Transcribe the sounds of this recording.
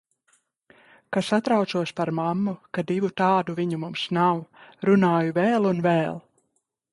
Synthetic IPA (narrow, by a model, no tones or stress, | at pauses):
kasat̪ɾawt̪suɔspaɾmamːukad̪ivut̪ɑːd̪uviɲumumsnawɾunɑːjuvɛːlˠunvɛːlˠ